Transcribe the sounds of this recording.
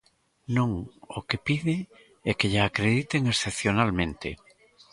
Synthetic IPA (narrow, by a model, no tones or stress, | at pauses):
nõŋokepiðɪ | ɛkeʎaakɾeðit̪eŋesθepθjonalmẽnt̪ḛ